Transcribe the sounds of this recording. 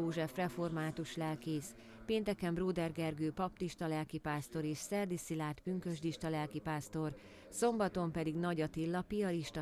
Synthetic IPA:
oːʒɛfrɛfo̞rmaːt̪uʃlɛlkeːs | peːnt̪ɛkɛmbroːd̪ɛrɡɛrɡøːpɒp̚t̪iʃt̪ɒlɛlkipaːst̪o̞ɾeːʃsɛrd̪isilaːrt̪byŋkø̞ʒd̪iʃt̪ɒlɛlkipaːst̪o̞r | so̞mbɒt̪o̞mpɛd̪iɡnɒɟɒt̪ilːɒpijɒɾiʃt̪ɒ

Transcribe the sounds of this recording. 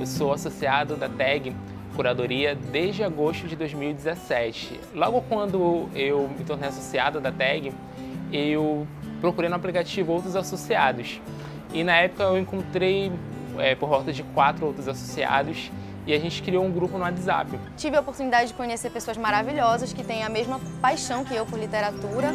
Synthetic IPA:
ewsowasosiad̪ʊd̪ɐt̪ɛɡɪ | kuɾad̪oɾiɐd̪ezd͡ʒɪaɡoʃt̪ʊd͡ʒɪd̪ojzmiwid͡ʒɪzesɛt͡ʃɪ̰ | lɔɡʊkwɐ̃nd̪ʊewmɪt̪oɾnejasosiad̪ʊd̪ɐt̪ɛɡɪ | ewpɾokuɾejnũaplikat͡ʃivʊowt̪ɾʊzasosiad̪ʊs | ɪnɐɛpʊ̥kɐewẽŋkõt̪ɾej | ɛpoɾvɔwˠt̪ɐd͡ʒɪkwat̪ɾʊowt̪ɾʊzaso̥sia̰d̪ʊs | ɪaʒẽnt͡ʃɪ̥kɾiowũɡɾupʊnʊat̪za̰pɪt͡ʃivɪopoɾt̪unid̪ad͡ʒɪd͡ʒɪkõɲeseɾpesoɐzmaɾaviʎɔzɐskɪt̪ẽj̃ɐmeʒmɐpajʃɐ̃w̃kɪewpoɾlit̪eɾat̪uɾɐ

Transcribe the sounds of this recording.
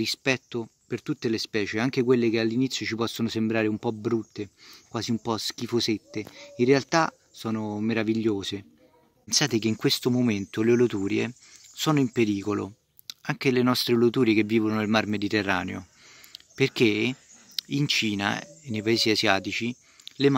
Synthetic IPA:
rispɛt̪ːopert̪ut̪ːelespɛːt͡ʃeaŋk̟ekwelːekealːinit̪sːjot͡ʃipɔsːonʊsembɾaːɾeumpɔbɾut̪ːekwaːziumpɔsk̟ifoset̪ːeinrːealt̪a | sɔːnomeɾaviʎːoːze | pnsaːt̪ek̟eiŋkwest̪omoment̪olelot̪uːɾjḛ | sɔːnoimpeɾiːkolo̰ | aŋk̟elenɔst̪ɾelot̪uːɾjekevːiːvononelmarmed̪it̪erːa̰ːnḛo̰ | perk̟e | int͡ʃiːna̰enːejpaeːsiazjaːt̪it͡ʃi | le

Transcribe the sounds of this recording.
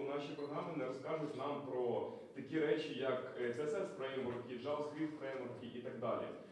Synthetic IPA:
nɑʃʲipɾɔɦɾɑmɪnɛɾɔskɑʒʊtʲnɑmpɾɔ | t̪ɐkʲiɾɛt͡ʃijɐkt͡s̪ʲɛsɛspɾɛmɔrkʲiʒɑwsxʲifɾɛjmɔrkʲiʔit̪ɐɡ̚d̪ɑ̰lʲḭ

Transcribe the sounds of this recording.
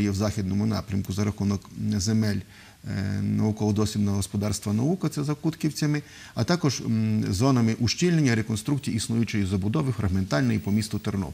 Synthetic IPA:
jɛwzɑxʲid̪nɔmʊnɑ̰pɾʲɐmkʊzɐɾɐxunɔkzemɛlʲ | nɐukɔɔd̪ɔsʲʋʲib̪nɐɦɔspɔd̪ɑrst̪ʋɐnɐukɐt̪sɛzɐkut̪kʲiwt͡sʲɐmɪ | ɐt̪ɑkɔʒzɔnɐmɪʔuʃt͡ʃʲilʲnenʲːɐɾekɔnst̪ɾukt͡sʲijisnujʊt͡ʃɛjizɐbʊd̪ɔʋɪfɾɐɣment̪ɑlʲnɔjipɔmʲist̪ʊt̪ɔrnɔ̰

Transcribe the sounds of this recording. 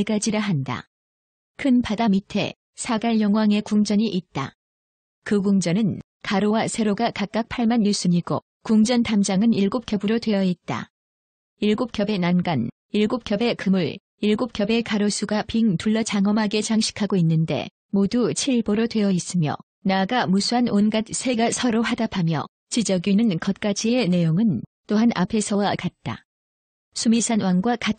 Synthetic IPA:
eɡad͡ʑiɾaɦanda̰ | kʰɯnpʰadamitʰe̞̰ | sʰaɡaɭjʌŋwaŋe̞kuŋd͡ʑʌɲiʔit̚t͈a̰ | kɯɡuŋd͡ʑʌnɯn | kaɾowasʰe̞ɾoɡakak̚k͈ak̚pʰaɭmanjus͈ɯɲiɡo̰ | kuŋd͡ʑʌntamd͡ʑaŋɯniɭɡop̚k͈jʌbɯɾotwe̞ʌit̚t͈a̰ | iɭɡop̚kjʌbe̞nanɡan | iɭɡop̚kjʌbe̞kɯmuɭ | iɭɡop̚k͈jʌbe̞kaɾosʰuɡapiŋtuɭːʌt͡ɕaŋʌmɦaɡe̞t͡ɕaŋɕʰi̥kʰaɡoinːɯnde̞̰ | modut͡ɕʰiɭboɾotwe̞ʌis͈ɯmjʌ̰ | naɡamusʰuanonɡat̚sʰe̞ɡasʰʌɾohadapʰamjʌ̰ | t͡ɕid͡ʑʌɡinɯnkʌt̚k͈ad͡ʑie̞ne̞joŋɯnt͈oɦanʔa̰pʰe̞sʰʌwakat̚t͈a̰ | sʰumisʰanwaŋɡwakat̚

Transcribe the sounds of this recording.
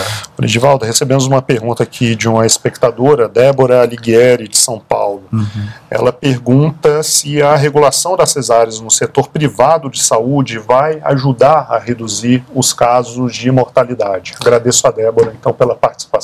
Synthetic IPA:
fɾḭd͡ʒɪvawd̪ɐɦesebẽmʊzũmɐpeɾɡũnt̪ɐakʰid͡ʒɪũmɐispek̚t̪ad̪oɾɐd̪ɛboɾɐliɡɛɾɪd͡ʒɪsɐ̃w̃pa̰wlʊɛ̰lɐpeɾɡũt̪ɐsɪɐɦeɡulasɐ̃w̃d̪ɐsezaɾɪznʊset̪oɾpɾivad̪ʊd͡ʒɪsaud͡ʒɪvaja̰ʒud̪aɾɐɦed̪uziɾʊskazʊzd͡ʒɪimoɾt̪alid̪ad͡ʒɪaɡɾad̪esʊɐd̪ɛboɾɐẽnt̪ɐ̃w̃pelɐpaɾt͡ʃɪ̥si̥pas

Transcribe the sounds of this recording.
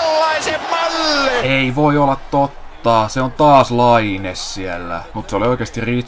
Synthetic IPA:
lːɑisemmɑlːeeiʋoiolːɑt̪t̪ot̪ːɑːseont̪ɑːslɑinessielːæ̰mut̪seolioikeːˑst̪iriː

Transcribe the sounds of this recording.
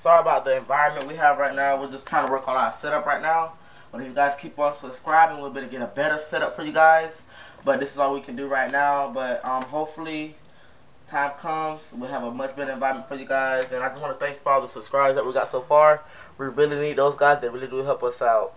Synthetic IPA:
sɑɹiəbaʊt̪̚ðiɨ̃ɱvaɪɹɨ̃nmɨ̃nʔwiəvɹaɪtⁿnaʊwɨlˠd͡ʒʌstʰɹ̥aɪ̃nʰtəwɜ˞kɔlˠaʊɾsɛɾʌpɹaɪtⁿnaʊ | b̥ʌɾɨfjɨɡaɪz̥kʰipn̩səb̥skɹaɪbɪ̃ŋwibɛɾɨɡɛɾəbɛɾə˞sɛɾʌpfə˞jɨɡaɪz̥ | b̥ʌt̪̚ðɪsɨzwɔwikʰɨ̃n̩dɨɹaɪtⁿnaʊbʌt̚ʌ̃mɦoʊpfl̩ˠi | tʰãɪ̃mkʰʌ̃mz̥wiəvəmʌt͡ʃb̥ɛɾə˞ɨ̃ɱvaɪɹə̃nm̃nfə˞jɨɡaɪzɨ̃naɪd͡ʒʌsnwɑ̃nəθæ̃ŋkfə˞ɔlˠðəsəb̥skɹaɪbəzðəʔ̚wiɡɑ̰tsoʊfɑɹ | wiɹɪlˠinid̪̚ðoʊzɡaɪzðɨt̚ɹɪlˠidɨɦɛlˠpʌsaʊt̚

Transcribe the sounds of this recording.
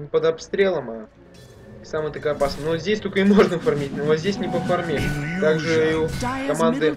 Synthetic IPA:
pəd̪ɐpst̪ɾʲe̞lˠəma | samɨjt̪ɐkajɐpasnənozʲdʲesʲt̪olʲkəɪmo̞ʐnəfɐrmʲitʲnozʲdʲesʲnʲɪpəfɐrmʲet̪aɡʐɨukɐmand̪ɨ

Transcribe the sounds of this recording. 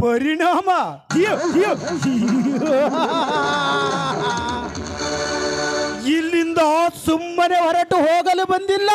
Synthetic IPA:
pɐɾiɳaːmɐ | ilːind̪ɐsumːɐneʋɐɾɐʈːuɦoːɡɐlebɐnd̪ilːɐ

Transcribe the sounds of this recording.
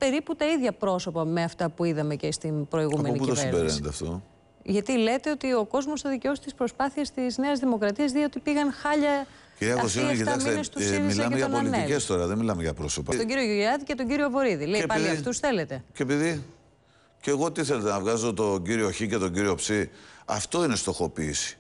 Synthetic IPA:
pe̞ɾiput̪ɐiðʝɐpɾo̞so̞pɐme̞ɐft̪ɐpuiðɐme̞cest̪inpɾo̞iɣume̞oniputiovsiebeɾenet̪eɐ̰ft̪o̞ | ʝɐt̪ile̞t̪e̞ot̪io̞ko̞zmo̞st̪ɐðiceo̞st̪ispɾo̞spɐθiɐst̪izne̞ɐzðimo̞kɾɐt̪iɐzðiot̪ipiɣɐnxɐʎɐ | ciɾiɐkossiɐkit̪ɐksmenest̪usmilɐmeɐonpoɐlinicest̪o̞ɾɐðenmilɐmeʝɐpɾo̞sopɐt̪oɟiɾioʝuʝiɾɐðicet̪o̞ɲɟiɾio̞vo̞ɾiðile̞ipɐliɐftusθe̞le̞t̪e̞cepiði | ce̞ɣot̪iθelet̪enɐvɣɐzot̪o̞ɟiɾio̞çice̞t̪oɲɟiɾio̞psiɐft̪o̞ine̞st̪o̞xo̞piːsi̥

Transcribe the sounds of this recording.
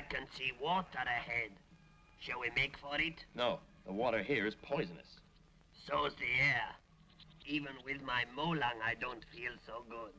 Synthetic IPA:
aɪkʰɨ̃nsiwɔtəɾɨhɛd̥ | ʃɨlˠwimeɪkfə˞ɪtnoʊðəwɔɾə˞ɦiɹɨz̥pʰɔɪzɨ̃nɨ̰s | soʊzðiɛɹ | ivə̃nwɪðmaɪmoʊlãŋaɪdõʊ̃ntfilˠsoʊɡʊd̥̚

